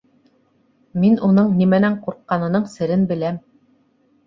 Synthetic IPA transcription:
minunɤɴnimænæɴquɾqːɑnɤ̆nɤɴsɘ̆ɾɘnbɘ̆læm

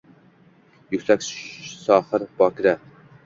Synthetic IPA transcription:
jykʲsɛkʲssɑːχəɾbɑkɾɛ

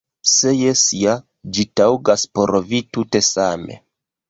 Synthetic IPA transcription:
se̞jesija | d͡ʒitawɡaspoɾvitute̞same̞̰

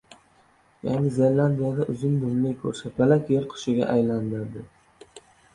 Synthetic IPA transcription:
ja̰nɪzelːand̪ijad̪aʔʊzɪnd̪ʊmlɪjkʰɵ̰ɾsapalakʲjeɾqʰʊ̥ʃɪɡʲa̰ʔajland̪aɾd̪ɪ

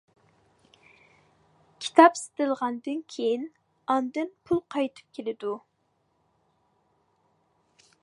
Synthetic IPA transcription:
kʲʰi̥t̪ʰɑpsɪ̥t̪ɪlˠʁɑnd̪ɨnkʲʰejin | ɑnd̪ɨnpʰulˠqʰɑjt̪ʰɨ̥p̚kʲʰelɪd̪u

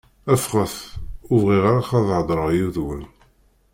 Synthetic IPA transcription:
æfχəθʊvʁiʁaɾaχaðʕd̪ˤɾˤəʁjuðwən

